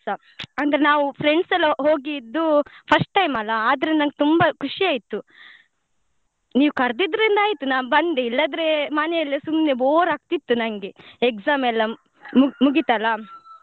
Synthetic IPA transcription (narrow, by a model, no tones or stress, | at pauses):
sa | ɐnd̪ɐɾenaːʋupʰɾeɳɖsɐlːɐɦo̞ːɡiːd̪ːupʰɐsʈʈɐjmɐlːɐaːd̪ɐɾind̪nɐŋɡet̪umbɐkʰuʂiaːjt̪ːu | niːʋukɐɾd̪id̪ɐɾind̪ɐaːjit̪unaːbɐnd̪eilːɐd̪ɾemɐnɛjɐlːɐsumneboːɾaːɡ̚t̪it̪ːunɐŋɡeeksaːmɛlːɐ | mumuɡit̪ɐlːɐ